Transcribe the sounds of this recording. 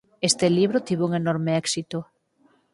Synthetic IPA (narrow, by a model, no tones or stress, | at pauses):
est̪eliβ̞ɾʊt̪iβuŋenoɾmeɛksit̪ʊ